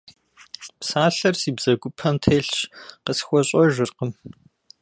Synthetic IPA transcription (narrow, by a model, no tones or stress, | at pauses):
psaːɬɐrsiːbz̥ɐɡʷʊpʰɐmtʰeːɬɕqəsxʷɔɕʼɔʒɪrqəm